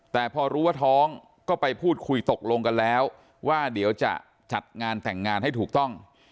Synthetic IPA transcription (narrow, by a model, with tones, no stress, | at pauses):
t̪ɛː˨˩pʰɔː˧ɾuː˦˥waː˥˩t̪ʰɔː˦˥ŋ | kɔː˥˩pa˧jpʰuː˥˩t̪̚kʰu˧jt̪o˨˩k̚lo˧ŋka˧nlɛː˦˥w | waː˥˩di˩˦əwt͡ɕa̰˨˩ʔ | t͡ɕa˨˩t̪̚ŋaː˧nt̪ɛ˨˩ŋːaː˧nha˥˩jt̪ʰuː˨˩k̚t̪ɔ˥˩ŋ